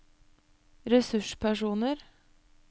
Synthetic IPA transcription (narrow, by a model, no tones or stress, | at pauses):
ɾɛsʉʂpʰæʂuːnəɾ